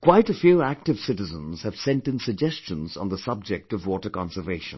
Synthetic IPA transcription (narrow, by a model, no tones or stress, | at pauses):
kʰw̥aɪtɨfjuæk̚tɨv̥sɪɾɨzə̃nz̥hɨv̥sɛ̃ntɨ̃nsɨɡ̚d͡ʒɛst͡ʃə̃nzn̩ðəsʌb̚d͡ʒɛk̚tʌvwɔtə˞kɑ̃nsə˞veɪʃə̃n